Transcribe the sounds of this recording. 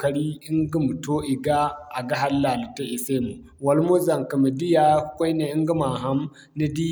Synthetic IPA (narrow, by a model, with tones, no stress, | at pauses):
kɐ˦ɽi˦ʔɪ˦ŋɡi˦mu˨to˦ʔɪ˨ɡa˦ʔa˨ɡa˦ɦa˦lːa˨li˨ta˦ʔɪ˨se˦mu˨ | wɐ˨lmo˦zɐ˨ŋka˨mi˨di˦ja˦kʷa˦ne˨ʔɪ˦ŋɡi˦ma˨ɦa˦m | ni˦di˦